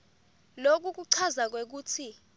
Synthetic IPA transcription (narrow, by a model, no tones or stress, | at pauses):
lok̬uk̬uǀʰazak̬wek̬uːt͡sʰi